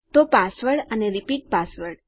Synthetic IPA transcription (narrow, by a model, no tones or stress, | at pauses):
t̪opasʋəɽəneɾipiːʈ̚pasʋəɽ